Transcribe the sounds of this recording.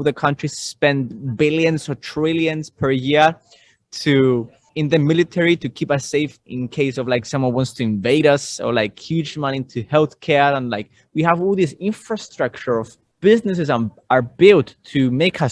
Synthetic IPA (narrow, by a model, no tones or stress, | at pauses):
ðəkʰʌ̃ntɹ̥isspɛ̃ndbɪlˠjɨ̃nzɔtʰɹ̥elˠjɨ̃nz̥pʰə˞jɪɹ | tʰu | ɨ̃nðɨmɪlɨtʰɛɹiɾɨkʰipʌseɪfɪ̃nkʰeɪsʌvlaɪksʌ̃mwʌ̃nwɑ̃ntstʰɨɨ̃ɱveɪɾʌsə̰˞laɪkhjʉd͡ʒmʌ̃ñĩntʰɨhɛlˠθkʰɛɹə̃nlaɪk̚ | wihəvɔlˠðisɪ̃ɱfɹəstɹ̥ʌk̚t͡ʃə˞ʌv | b̥ɪznɨs̬ɨzə | ə˞bɪlˠtʰːɨmeɪkʰʌ